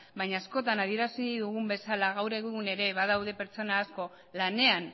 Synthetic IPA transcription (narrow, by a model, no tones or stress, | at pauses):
baɲaːsko̞t̪anaðie̞ɾasiðuɣumbe̞salaɣawɾe̞ɣɣune̞ɾe̞βað̞awðe̞pe̞ɾt͡so̞naːsko̞ | lane̞an